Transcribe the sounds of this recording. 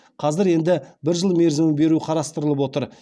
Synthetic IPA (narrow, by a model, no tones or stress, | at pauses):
qʰɑzɪɾe̞nd̪ɪbɪɾʒəlˠme̞ɾzɪmɪbe̞ɾuqʰɑɾɑst̪əɾəlˠəpwo̞t̪əɾ